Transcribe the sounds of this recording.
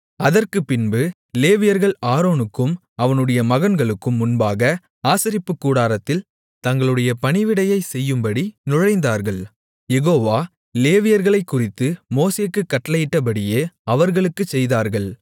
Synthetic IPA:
ɐðɐrkɯpːɪnbɯ | leːʋɪjɐɾɣɐɭaːɾoːnɯkːɯm | ɐʋɐnɯɽɐjɐmɐɣɐnɡɐɭɯkːɯmːʊnbaːɣɐ | aːsɐɾɪpːɯkːuːɽaːɾɐt̪ːɪl | t̪ɐŋɡɐɭɯɽɐjɐpɐnɪʋɪɽɐjɐɪsɛjːɯmbɐɽinʊɻɐɪnd̪aːɾɣɐɭ | jɛɣoːʋaː | leːʋɪjɐɾɣɐɭɐɪkːʊrɪt̪ːɯmoːseːkːɯkːɐʈːɐlɐjɪʈːɐp̬ɐɽɪjeːɐʋɐɾɣɐɭɯkːɯt͡ʃːɛjðaːɾɣɐɭ

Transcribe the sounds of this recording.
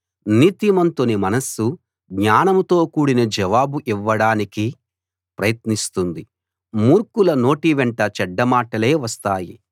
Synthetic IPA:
niːt̪imɐnt̪unimɐnɐsu | ɡɲaːnɐmt̪o̞ːkuːɽinɐd͡ʒɛʋaːbuʔiʋːɐɽaːniki | pɾɐjɐt̪nist̪und̪i | muːɾkulɐno̞ːʈiʋɛɳʈɐt͡ʃɛɖːɐmaːʈɐle̞ːʋɐst̪aːji

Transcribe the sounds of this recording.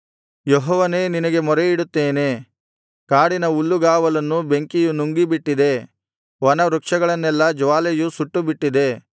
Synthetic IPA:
jɔɦɔːʋɐne̞ːninɐɡe̞mɔɾeiɽut̪ːeːne̞ː | kaːɽinɐulːuɡaːʋɐlɐnːube̞ŋkijunuŋɡibiʈːid̪e̞ | ʋɐnɐɾukʂɐɡɐɭɐnːɛlːɐd͡ʒʋaːlejusuʈːubiʈːid̪e̞

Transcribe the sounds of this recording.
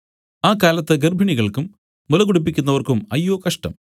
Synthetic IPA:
aːkaːlɐt̪ːɨɡerbʱiɳiɣɐɭkumː | ulɐɣuɽupːikʲːunːɐʋɐrkumɐjːoːkɐʂʈɐ̰m

